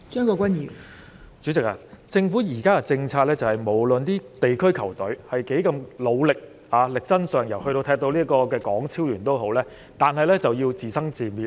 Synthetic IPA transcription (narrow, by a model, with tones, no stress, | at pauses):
t͡ʃœː˥ŋkɔː˧kʷwɐ˥niː˨˩ | t͡ʃyː˨˥t͡sɪ˨k̚a̰ː˧t͡sɪ˧ŋfuː˨˥jiː˨˩kaː˥ka˨t͡sɪ˧ŋt͡sʰaː˧t̚lɛː˥t͡sɐ˨whɐ˨˩jmo˨˩wlɵ˨nt̪iː˥t̪e˨jkʰɵ˥ɥkʰɐ˨˩wt̪ɵ˨˥ɥhɐ˨jke˨˥jkɐ˧mlo˨˧wlɪ˨k̚ | aː˨˧lɪ˨k̚t͡sɐ˥nsœː˨˩ŋjɐ˨˩whɵ˧jt̪o˧wt̪ʰɛː˧k̚t̪o˧wliː˥kɔː˧k̬ɛː˧kɔː˨˥ŋt͡sʰiː˥wlyː˨˩nt̪o˥whɦo˨˥wlɛː˥ | t̪aː˨nɦɐ˨jlɛ˥t͡sɐ˨wjiː˧wt͡siː˨˩sɐ˥ŋt͡siː˨miː˨